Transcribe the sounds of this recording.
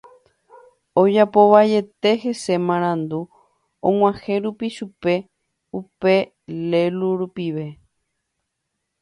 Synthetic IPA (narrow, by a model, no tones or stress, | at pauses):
od͡ʒapo̞βaje̞t̪e̞he̞se̞mãɾ̃ãnd̪u | õŋw̃ãhe̞ɾupiʃupe̞ | upe̞ | leluɾupiʋe̞